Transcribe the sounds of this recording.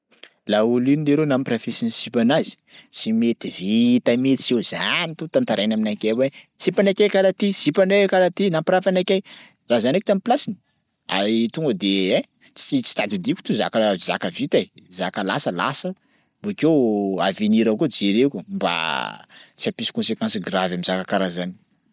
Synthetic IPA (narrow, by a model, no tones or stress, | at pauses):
laulinileɾenamiprafesinisipanazi̥simet̪ivit̪amet̪t͡sezanit̪ut̪ant̪aɾajnaminakʲewe | sipanakʲajkalat̪isipanekalat̪inampɾafanakʲaj | razanek̚i̥t̪amipilasinə | a̰ɾit̪uŋɡəd̪eɛ̃ | t͡sit͡si̥t̪ad̪id̪ikʲu̥t̪uza̰kəza̰kəvit̪azakəlasəla̰sə | bokewa̰veniɾakod͡ʒeɾekumba̰ | t͡siapisi̥kɔ̃nsekãnsɡravamizakakaɾazani̥